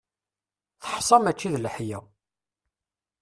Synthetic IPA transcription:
θə̥ħsˤɑmæt͡ʃːiðlħjæ

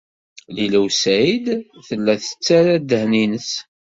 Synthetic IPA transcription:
liləwsæjid̪θəlːæθə̥t͡sːæɾæd̪əhninəs

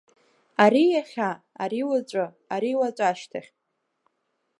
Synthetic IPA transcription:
aɾijaχʲa | aɾiwat͡ɕʷʼa | aɾiwat͡ɕʷʼaʃtʰaχʲʼ

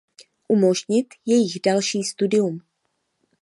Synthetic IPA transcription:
ʔumo̞ʒɲɪt̪jɛjɪɣdalʃiːst̪udɪum

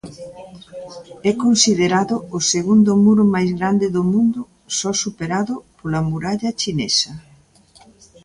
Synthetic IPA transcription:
ɛkonsiðeɾaðʊːseɣund̪ʊmuɾʊmajzɣɾand̪eðomũnd̪ʊ | sɔsupeɾaðʊpolɐmuɾaʎɐt͡ʃinesɐ

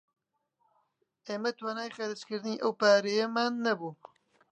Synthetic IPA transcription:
ʔeːmɛt̪waːnaːjxɐɾɨskɨɾɨniːʔɐwpaːɾejɛmaːnːɐbuː

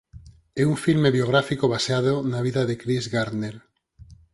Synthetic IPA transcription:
ɛuɱfilmeβjoɣ̞ɾafikoβaseaðonaβiðaðekɾizɣaɾnel

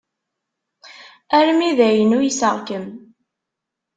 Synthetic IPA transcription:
æɾmiðæjənujəsəʁkəm

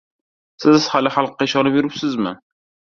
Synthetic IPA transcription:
sɪz̥halɪχalˠqːɑɪʃɒnapɪɾɪpsɪzmɪ̰

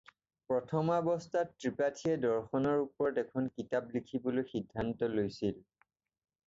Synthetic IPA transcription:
pɹɔtʰɔmabɔstatːɹipatʰiɛdɔɹxɔnɔɹupɔɹdɛkʰɔnkitaplikʰibolojxidʱːantɔlojsil

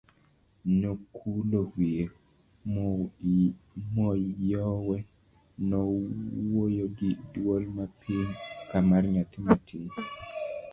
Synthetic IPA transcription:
nokʰulohwie | m | mɔjɔwɛ | nɔwojoɡɪdwolmapʰiɲkamarɲat̪ɪmatʰiɲ

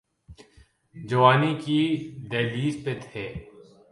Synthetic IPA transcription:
d͡ʒɐwaːnikid̪ɛːliːzpet̪ʰeː

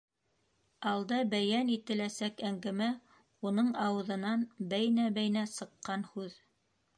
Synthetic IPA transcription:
ɑlˠd̪ɑbæjænit̪ɘ̆læsækæŋɡæmæ | unɤɴɑwɤ̆ðɤ̆nɑnbæjnæbæjnæsɤ̆qːɑnhʉð

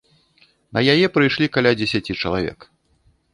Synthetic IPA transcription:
nɐjajɛpɾɨjʂlʲikalʲad͡zʲɛsʲat͡sʲit͡ʂɐlˠavʲɛ̰k

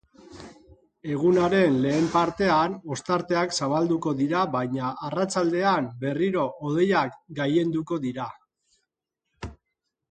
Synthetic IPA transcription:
e̞ɣ̞unaɾe̞nle̞ːmpaɾt̪e̞ano̞st̪aɾt̪e̞aksaβald̪uko̞ðiɾaβajɲaʔːrat͡sald̪e̞ambe̞riɾo̞ʔoð̞e̞jakɡaje̞nd̪uko̞ðiɾa

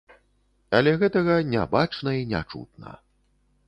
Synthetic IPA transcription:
ɐlʲɛɣɛt̪ɐɣɐnʲɛ̰bat͡ʂnɐinʲa̰t͡ʂṵt̪̚nɐ̰

